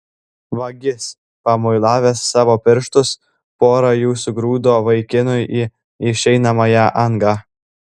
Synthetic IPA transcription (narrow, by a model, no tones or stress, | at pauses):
ʋɐɡʲɪs | pɐmoɪlˠɑːʋʲeːsːɑːʋoːpʲɪɾʃt̪ʊs | poːɾɐjuːsʊɡɾuːd̪oːʋɐɪkʲɪnʊjiː | ɪʃʲɛɪnɐmɐjɛʔɐŋɡɑː